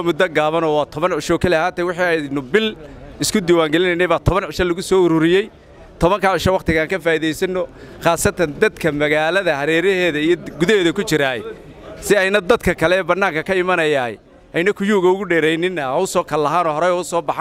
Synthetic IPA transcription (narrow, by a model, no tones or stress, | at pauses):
mʊd̪ːɐɡaːβɐnɔːwɑːt̪ʰɔβɐnʕʊʃɔːkʰɐlɪɐhaːt̪ɛwʊħiɛnʊbɪlɪskʰʊd̪iːwaːŋɡɛlɪnɛjnɛjβaːt̪ʰɔβɐnʕʊʃɐlɐɣʊsɔːʊɾʊɾɪjɛj | t̪ʰɔβɐŋkʰaʕʊʃɐwɑqt̪ʰɪɣaːŋkʰɐfaːiðɛjsɐnːɔ | χaːsɐt̪ʰɐnd̪ɐd̪kʰɐmɐɣaːlɐðɐhɐɾɛːɾɛhɛːðɐijɔɡʊðɐhɛːðɐkʊt͡ʃɪɾaːɛ̰ | sɪɛjnɐd̪ɐd̪kʰɐkʰɐlɛbɐnːaːŋkɐkʰɐɪmɐnɐjaːhɛ̰ | ʔɛjnɐkʰʊjuːɣɐʊɣʊɖɛːɾɛjnɪnːɐʊsɔːkʰɐlɐɦaːnɔːɦɔɾɛjɔʊsɔːbɑħ